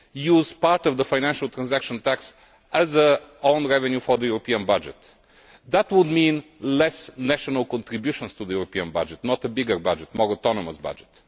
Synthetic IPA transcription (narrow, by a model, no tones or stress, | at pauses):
juːzpaɾt̪ɔvd̪əfaɪnæ̃nʃəlˠt̪ɾãnzækʃə̃nt̪æks | əzəõʊ̃nɹɛvɛ̃njufɔd̪əjuɾɔpĩə̃nbʌd͡ʒɛ̰t̪ | d̪ət̪wʊd̪mĩnlɛsnæʃɔnəlˠkɔ̃nt̪ɾɪbjuʃə̃nst̪uðəjuɾɔpĩə̃nba̰d͡ʒɛt̪nɔt̪əbɪɡəɹbad͡ʒɛtmɔɹɔt̪ɔnɔməsbʌ̰d͡ʒɛt̪